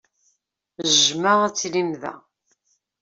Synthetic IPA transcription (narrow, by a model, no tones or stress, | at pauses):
ʒməʁæt͡sːlimðæ̰